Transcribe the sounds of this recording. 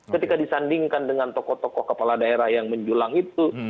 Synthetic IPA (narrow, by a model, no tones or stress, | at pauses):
kət̪ikadisandiŋkandəŋant̪ɔkɔht̪ɔkɔhkəpaladaeɾahjaŋməɲd͡ʒulaŋit̪u